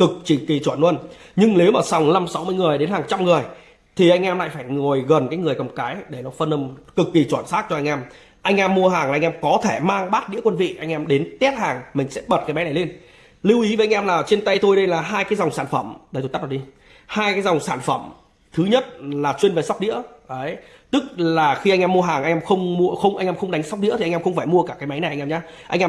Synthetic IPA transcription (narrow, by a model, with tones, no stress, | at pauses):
kɨ˨˩k̚t͡ɕi˨˩ŋki˨˩t͡ɕwə˧˩nwə˧n | ɲɨ˧ŋne˨˦wmaː˨˩sa˨˩wŋ͡mla˧msa˨˦wmɨ˧əjŋɨ˨˩əjɗe˨˦nhaː˨˩ŋt͡ɕa˧mŋɨ˨˩əj | t̪ʰi˨˩ʔa˧jŋ̟ʔɛ˧mla̰ː˧˨jfaː˧˩jŋo˨˩jɣə˨˩nkaː˨˦jŋɨ˨˩əjkə˨˩wŋ͡mkaː˨˦jɗe˧˩nɔ˨˦fə˧nə˧mkɨ˨˩kːi˨˩t͡ɕwaː˧˩nsaː˦˥t̚t͡ɕɔ˧ʔa˧jŋ̟ʔɛ˧m | ʔa˧jŋ̟ʔɛ˧mːu˧əɦaː˨˩ŋaː˨˧jŋ̟ʔɛ˧mkɔ˨˦t̪ʰe˧˩maː˧ŋɓaː˦˥t̚ɗḭ˧˥əkwə˧nvḭ˧˨ʔa˧jŋ̟ʔɛ˧mɗe˨˦nt̪i˦˥t̚haː˨˩ŋmï˨˩ŋ̟sɛ̰˧˥ɓə˨˩t̚kaː˨˦jmɛ˨˦na˨˩jle˧n | li˧wʔi˨˦ve˨˦ʔjŋʔɛ˧mlaː˨˩t͡ɕe˧nt̪ə˧jt̪o˧jɗə˧jlaː˨˩ɦaː˧jkaː˨˦jza˨˩wŋ͡msaː˧˩nfə˧˩mɗe˧˩t̪o˧˩t̪a˦˥laː˨˩ɗi˧ | haː˧jkaː˨˦jza˨˩wŋ͡msaː˧˩nfə˧˩m | t̪ʰɨ˨˦ɲə˦˥t̚laː˨˩t͡ɕwi˧ənve˨˩sa˦˥wk͡pɗḭ˧˥əə˨˦j | t̪ɨ˦˥k̚laː˨˩xi˧ʔa˧jŋ̟ʔɛ˧mːu˧əɦaː˨˩ŋʔa˧jŋʔɛ˧mxə˧wŋ͡mmu˧əxə˧wŋ͡mʔa˧jŋʔɛ˧mxə˧wŋ͡mɗa˨˦ŋ̟sa˦˥wk͡p̚ɗḭ˧˥əi˨˩ʔa˧ŋ̟˧mxə˧ŋ͡mfaː˧˩jmu˧əkaː˧˩kaː˨˦jma˨˦jna˨˩ʔʔɛ˧ɲaː˧˦ | ʔa̰˧jŋʔɛ˧